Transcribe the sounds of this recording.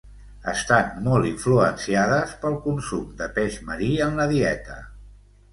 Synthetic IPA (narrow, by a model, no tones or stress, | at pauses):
ə̰st̪anmɔlˠt̪iɱfluənsiaðəspəlˠkunsumd̪əpeʒməɾiənləðiɛt̪ə̰